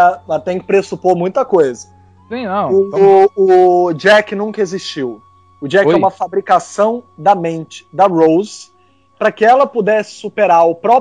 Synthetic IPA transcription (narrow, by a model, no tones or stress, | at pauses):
ɐmɐt̪ẽj̃kɪ̥pɾesupoɾmũj̃t̪ɐkojzɐ | sĩnɐ̃w̃ʊʊd͡ʒɛkɪnũkɐeziʃt͡ʃiw | ʊd͡ʒɛkɛũmɐfabɾikasɐ̃w̃d̪ɐmẽnt͡ʃɪ̥d̪ɐɾowz | pɾɐkɪɛlɐpud̪ɛsɪ̥supeɾaɾʊpɾɔ